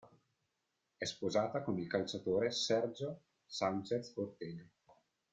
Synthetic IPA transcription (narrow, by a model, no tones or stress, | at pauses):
ɛspozaːt̪akonilkalt͡ʃat̪oːɾesɛrd͡ʒo | sant͡ʃeskort̪eːle